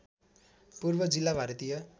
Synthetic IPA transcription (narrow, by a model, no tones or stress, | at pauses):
purbʌd͡zilːabʱaɾʌt̪ijʌ